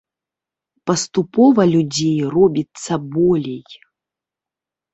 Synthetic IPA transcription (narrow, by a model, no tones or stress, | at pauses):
pɐst̪upɔvɐlʲud͡zʲejrɔbʲit̪sɐbɔlʲej